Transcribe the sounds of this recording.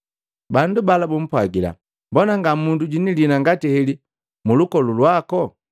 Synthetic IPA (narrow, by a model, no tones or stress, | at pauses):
bandubalabum̩pwaɡila̰ | mbɔnaŋɡamunduɟinilinaŋɡatihɛli | mulukɔlulwakɔ